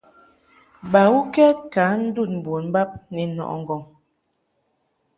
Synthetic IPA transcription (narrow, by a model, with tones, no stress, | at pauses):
ba˨wu˦kɛ˦t̚ka˨˦n̩˦du˦˨t̚m̩˨bo˨n˦ba˦p̚nɛ˨nɔ̰˨ʔŋ˨ɡɔ˨ŋ